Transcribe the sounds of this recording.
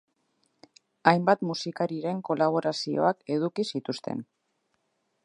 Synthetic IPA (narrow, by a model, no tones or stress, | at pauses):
ajmbat̪musikaɾiɾe̞ŋko̞laβ̞o̞ɾasio̞̰ake̞ðukisit̪ust̪ḛn